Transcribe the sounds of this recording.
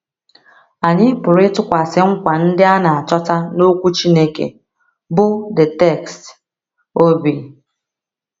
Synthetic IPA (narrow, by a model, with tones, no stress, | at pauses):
a˨ɲɪ˦pʊ˨ɾɪ˦tʊ˦kʷa˨sɪ˨ŋ̩˦kʷa˨n̩˦dɪ˦a˦na˨a˨t͡ʃɔ˦ta˦no˦kʷu˦t͡ʃi˦ne˦kḛ˨ | bʊ˦dɪ˨tɛ˦˨kst | o˦bi˨